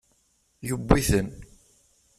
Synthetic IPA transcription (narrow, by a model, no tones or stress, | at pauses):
jubːiθən